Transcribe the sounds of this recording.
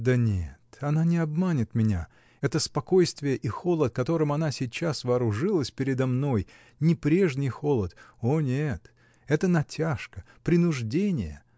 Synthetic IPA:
d̪ənʲḛt̪ɐnanʲɪɐbmanʲɪt̪mʲɪnʲa | ɛt̪əspɐko̞jst̪vʲɪjəʔixo̞lˠət̪̚kɐt̪o̞ɾɨmɐnasʲɪt͡ɕːasvɐːɾʊʐɨlˠəsʲpʲɪɾʲɪd̪ɐmno̞j | nʲɪpɾʲeʐnʲɪjxo̞lˠət̪onʲet̪ | ɛt̪ənɐtʲaʂkə | pɾʲɪnʊʐdʲenʲɪjə

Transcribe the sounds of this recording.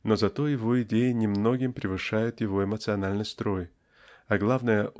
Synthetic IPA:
no̞zɐt̪o̞jɪvo̞ɪdʲejɪnʲɪmno̞ɡʲɪmpɾʲɪvɨʂajʊt̪jɪvo̞ɪmət̪sɨɐnalʲnɨjst̪ɾo̞j | ɐɡlˠavnəjə

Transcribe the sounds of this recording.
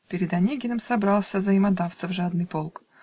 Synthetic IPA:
pʲɪɾʲɪd̪ɐnʲeɡʲɪnəmsɐbɾɑlˠsʲəzəɪmad̪aft̪səfʐad̪nɨpo̞lˠk

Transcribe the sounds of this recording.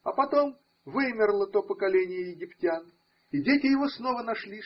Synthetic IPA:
ɐpɐt̪o̞m | vɨmʲɪrlˠət̪o̞pəkɐlʲenʲɪjəjɪɡʲɪptʲan | ɪdʲetʲɪjɪvo̞sno̞vənɐʂlʲi

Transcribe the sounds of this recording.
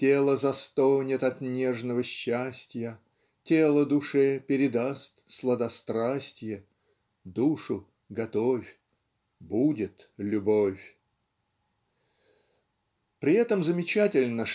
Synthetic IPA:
tʲelˠəzɐst̪onʲɪt̪ɐt̪nʲeʐnəvəɕːæsʲtʲjə | tʲelˠəd̪ʊʂɛpʲɪɾʲɪd̪ast̪slˠəd̪ɐst̪ɾasʲtʲjə | d̪uʂʊ | ɡɐt̪ofʲ | budʲɪt̪lʲʊbofʲ | pɾʲɪɛt̪əmzəmʲɪt͡ɕætʲɪlʲnə

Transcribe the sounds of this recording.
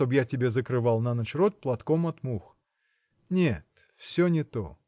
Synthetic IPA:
t̪objatʲɪbʲezəkɾɨvalˠnɐnɐt͡ɕɾot̪̚ʲplˠɐt̪komɐt̪mux | nʲet̪ | fsʲonʲɪt̪o̰

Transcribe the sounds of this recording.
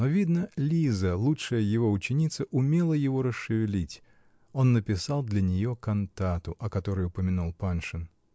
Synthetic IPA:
novʲid̪nəlʲizəlˠutʂəjəjɪvo̞ʊt͡ɕːɪnʲit̪səʔʊmʲe̞lˠəjɪvo̞ɾəsːɨvʲɪlʲitʲ | o̞nːəpʲɪsɑlˠd̪lʲɐnʲɪjo̞kɐnt̪at̪ʊʔɐkɐt̪o̞ɾɨjʊpəmʲɪnulˠpanʂɨn

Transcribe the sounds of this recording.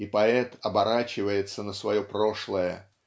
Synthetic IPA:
ipɐɛt̪ɐbɐɾat͡ɕɪvəjɪt̪sənəsvɐjo̞pɾo̞ʂlˠəjə

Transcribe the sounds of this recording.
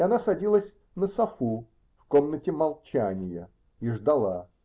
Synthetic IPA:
ɐnasɐdʲilˠəsʲ | nəsɐfu | fko̞mnətʲɪmɐlˠt͡ɕænʲɪjə̰ | iʐd̪ɐlˠa

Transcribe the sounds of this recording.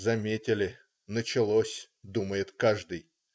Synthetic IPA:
zɐmʲetʲɪlʲɪ | nət͡ɕɪlˠosʲ | d̪uməjɪt̪kaʐd̪ɨj

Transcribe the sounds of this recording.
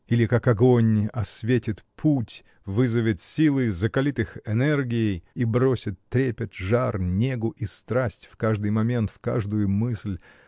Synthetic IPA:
ilʲɪkakɐɡo̞nʲɐsvʲetʲɪt̪pʰutʲ | vɨzəvʲɪt̪sʲilˠɨzəkɐlʲit̪ɨxɛnɛrɡʲɪɪjibɾosʲɪt̪ːɾʲepʲɪt̪ʐarnʲe̞ɡʊʔist̪ɾasʲtʲfkaʐd̪ɨjmɐmʲe̞nt̪fka̰ʐd̪ʊjʊmɨsʲlʲ

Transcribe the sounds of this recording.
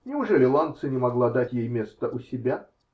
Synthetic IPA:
nʲɪʊʐɛlʲɪlˠant̪sɨnʲɪmɐɡlˠad̪atʲjejmʲe̞st̪əʔʊsʲɪbʲa

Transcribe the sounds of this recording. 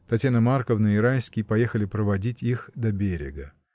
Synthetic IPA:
t̪ɐtʲjanəmarkəvnəiɾajskʲɪjpɐje̞xəlʲɪpɾəvɐdʲitʲixd̪ɐbʲeɾʲɪ̰ɡə

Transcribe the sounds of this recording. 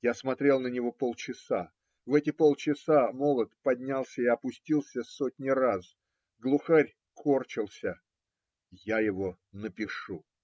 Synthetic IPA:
jasmɐt̪ɾʲe̞lˠnənʲɪvo̞po̞lˠt͡ɕɪsa | vɛtʲɪpo̞lˠt͡ɕɪsamo̞lˠət̪pɐdʲnʲalˠsʲəɪɐpʊsʲtʲilˠsʲəsotʲnʲɪras | ɡlˠʊxaɾʲ | kʰo̞rt͡ɕɪlˠsʲə | jajɪvo̞ | nəpʲɪʂu

